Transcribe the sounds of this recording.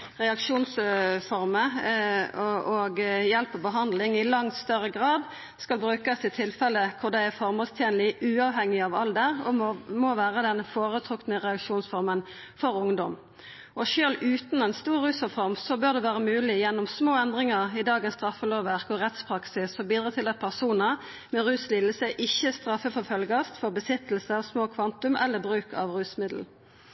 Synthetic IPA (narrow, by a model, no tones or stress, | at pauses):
ʁɛɑkʂuːnsfɔɾmə | ɔɡjɛlpɔbəɦɑnd̪lɪŋɪlɑŋt̪st̪œʁːəɡʁɑːd̪ | skɑlbɾʉːkəsɪt̪ʰɪlfɛlːəkʰʊʁd̪æɪæʁfɔɾmɔlst̪ʰjeːnlɪʉːɑʋɦɛŋːɪɑʋɑld̪ɛʁɔ̰moʋæːʁəd̪ɛnfoːʁət̪ʰʁʊknəʁɛɑkʂuːnsfɔɾmən | fɔɾʊŋd̪ɔm | ʔɔʃøːlʉːt̪nɛnst̪uːʁːʉːsɔfɔʁmsɔbøːʁd̪ɛʋæːʁəmʉːlɪjɛnːɔmsmoːɛnd̪ʁɪŋəʁɪd̪ɑːɡənst̪ʁɑfːəloːʋæʁkɔʁɛt̪spʰʁɑksɪsɔbiːd̪ɾɑːt̪ʰɪlɑt̪̚pʰæʁsuːnə | mɛʁʉːslɪlːəsəʔɪçːəst̪ɾɑfːəfɔʁfœlɡɑst̪fɔʁbəsɪt̪l̩səɔsmoːkʰʋɑnt̪ʉmʔɛ̰lːəbʁʉːkɑ̰ʋʁʉːsmɪd̪l̩